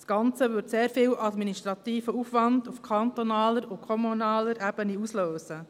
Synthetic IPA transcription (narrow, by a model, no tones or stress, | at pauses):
sɡ̥ɑnt͡səʋʏɾtseːɾfɪːwʔɑdminiʃtɾɑt̪iːfəufʋɑndufkʰɑnt̪ɔnɑːləɾukʰɔmunɑːləɾʔɛb̥əniusløːsə